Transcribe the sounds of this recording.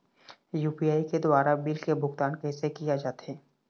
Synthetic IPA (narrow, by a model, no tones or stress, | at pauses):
juːpijaːiked̪waːɾabɪlkebʱʊɡt̪aːnkɛːsekijad͡ʒaːt̪aɦɛː